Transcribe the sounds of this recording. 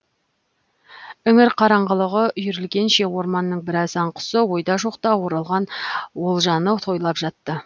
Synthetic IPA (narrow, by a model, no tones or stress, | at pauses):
ʏŋɪɾqʰɑɾɑɴʁəlˠəʁəʏjʏɾɪlɡʲe̞nʃe̞wo̞ɾmɑnːəɴbɪɾɑsɑɴqʰʊ̥səwo̞jd̪ɑʒoqt̪ɑwo̞ɾɑlˠʁɑnwo̞lˠʒɑnət̪ʰo̞jlˠɑpʒ̥ɑt̪ːə